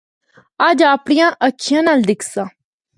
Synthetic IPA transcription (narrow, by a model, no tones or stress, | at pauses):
əd͡ʒaːpɽijãːʔətːʃʰijãːnaːld̪ɪkʰsãː